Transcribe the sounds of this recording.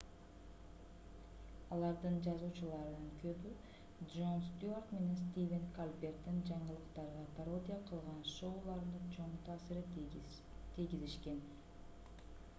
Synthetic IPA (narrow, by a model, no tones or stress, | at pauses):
ɑlˠɑɾd̪ɯnd͡ʒɑzuːt͡ʃulˠɑɾɯnɯŋkʰø̞by | dʒo̞nst̪ʲuork̪me̞ne̞ns̬t̪ʲivʲenkalʲbʲe̞rt̪ːind͡ʒɑɴəlˠɯqt̪ɑɾʁɑpʰaɾo̞d̪ʲijaqʰɯlˠʁɑnʃo̞wlˠɑɾnɯt͡ʃʰo̞ɴt̪ʰɑːsiɾi | t̪ʰijɡʲiziʃke̞n